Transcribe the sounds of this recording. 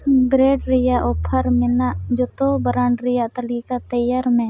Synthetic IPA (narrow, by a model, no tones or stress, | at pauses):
bɾeːɖɾɪjaʔoːpʰəɾmɪnaʔd͡ʒot̪obəɾaɳɖɾɪjaʔt̪əlikat̪əjaɾmẽː